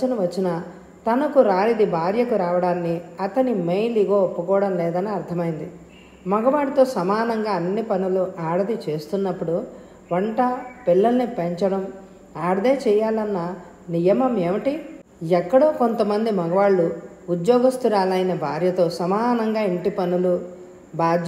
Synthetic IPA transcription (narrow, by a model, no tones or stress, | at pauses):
inɐʋɐt͡ʃːinɐ | t̪ɐnɐkuɾaːɾid̪ibʱaːɾjɐkuɾaːʋɐɽaːnːiɐt̪ɐnimejliɡoːpːukɔːʋɐɽɐmlɛːd̪ɐneɐɾt̪ʰɐmɐjind̪i | mɐɡɐʋaːɽit̪o̞ːsɐmaːnɐŋɡaːɐnːipɐnuluʔaːɽɐd̪it͡ʃe̞ːst̪unːɐpːuɽu | ʋɐɳʈɐpilːɐlɐnipeɲt͡ʃɐɽɐm | aːɽd̪eːt͡ʃɛːjaːlɐnːɐ | nijɐmɐmeːʋiʈi | ɛkːɐɽoːko̞nt̪ɐmɐnd̪imɐɡɐʋaːɭːu | ud̪joːɡist̪uɾaːlɐjinɐbʱaːɾjɐt̪o̞ːsɐmaːnɐŋɡaːiɳʈipɐnulu | bʱaːd͡ʒjɐ